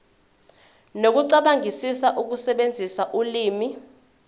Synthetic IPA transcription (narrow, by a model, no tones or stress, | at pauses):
nok̬uǀaɓaŋisisaʔuk̬usɛɓend͡zʱisaʔuliːmi